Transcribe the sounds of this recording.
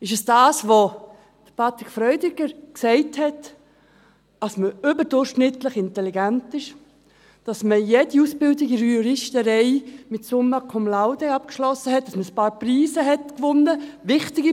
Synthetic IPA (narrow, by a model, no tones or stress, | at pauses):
ɪʃəsd̥aːsʋo | d̥əpʰɑt̪ɾɪkfɾœʏdɪɡəɾksɛɪthɛt | ɑsməʏbəɾdʊɾʃnɪtlɪχɪntɛliɡæntɪʃ | d̥ɑsməjɛdiusbɪldɪɡɪɾuɾɪʃtəɾɛɪmɪtsʊməkʰɔmlaʊdɛɑp̚kʃlɔsːəɦɛt̚ːɑsməəspɑːɾpriːsəɦɛtkʋʊnːəvɪχtɪɡi